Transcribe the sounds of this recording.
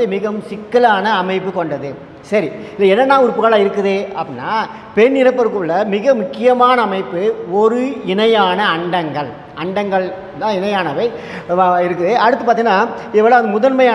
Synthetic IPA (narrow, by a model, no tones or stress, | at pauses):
ɯmɪɣɐsɪkːɐlaːnɐːmɐɪp̬ːɯkɔɳɖɐðɯ | sɐɾiɪlːɐɛnːɐnːaːʊɾɯpːɯɣɐɭaːɪɾɯkːɯðeːɐpːɪnːaː | pɛnːɪɾɐpːɐɾkɯɭːɐmɪɣɐmʊkːɪjɐmaːnɐːmɐɪpːɯɔɾɯɪnɐjaːnɐɐɳɖɐŋɡɐɭ | ɐɳɖɐŋɡɐɭ | d̪ãːɪnɐjaːnɐʋɐɪ | ɪɾɯkːɯðeːʔɐɽɯt̪ːɯpaːɾt̪iŋnaː | ɪʋɐːɭoːɐnd̪ɐmʊðɐnmɐjaː